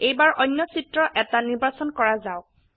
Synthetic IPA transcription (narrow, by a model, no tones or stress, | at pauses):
ejbaɹʔɔnːɔsitɹɔʔɛtaniɹbasɔnkɔɹazaʊk̚